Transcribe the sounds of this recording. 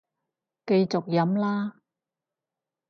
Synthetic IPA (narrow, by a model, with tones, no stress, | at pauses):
ke˧jt͡sʊ˨k̚jɐ˨˥mlaː˥